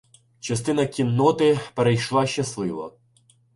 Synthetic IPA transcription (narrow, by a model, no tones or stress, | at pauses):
t͡ʃɐst̪ɪnɐkʲinːɔt̪ɪpeɾejʃlˠɑʃt͡ʃɐslˠɪʋɔ̰